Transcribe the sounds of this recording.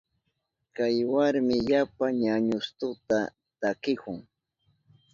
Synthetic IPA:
kajwaɾmɪʎapaɲaɲʊst̪ʊt̪a | t̪akɪkʊŋ

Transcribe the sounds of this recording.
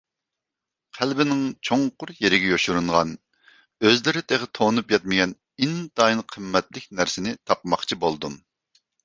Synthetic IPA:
qʰælbɪnɪŋt͡ʃʰoŋqʊɾjeɾɪɡʲɛjoʃuɾuɴʁɑn | øzlɪɾɪt̪ʰeʁət̪ʰonupjɛt̪̚mɪɡʲɛn | ind̪ɑinqʰəmːɛt̪lɪkʲnæɾsɪnɪt̪ʰɑpmɑχt͡ʃʰibolˠd̪um

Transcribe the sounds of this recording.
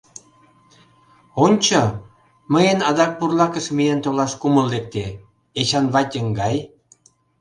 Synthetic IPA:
onʲt͡ɕɤ | məjenɑd̪ɑk̚purlɑkə̆ʃmijent̪olɑʃkumə̆lːek̚t̪e | eɕɑnβɑt̪ʲə̆ŋɡɑj

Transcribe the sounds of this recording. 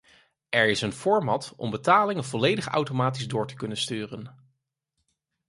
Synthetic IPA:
ɛɹɪsənv̥ɔɹmɑtɔ̰mbətaːlɪŋəvɔlejdəχa̰wtomaːt̬izdʊːɹtə̥kɵnənstyːrən

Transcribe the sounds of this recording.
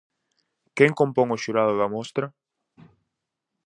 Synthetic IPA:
keŋkõmpoŋoʃuɾaðʊðɐmost̪ɾɐ

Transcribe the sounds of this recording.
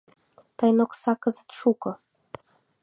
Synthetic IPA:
t̪ɑjnoksɑkɤ̆zə̥̆t̪ʃukɤ̆

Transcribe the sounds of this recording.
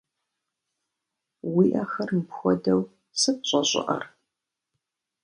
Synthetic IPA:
wiːʔɐxɐrmpxʷɔdɐw | sɨp̚ɕʼɐɕʼɪ̰ʔɐ̰r

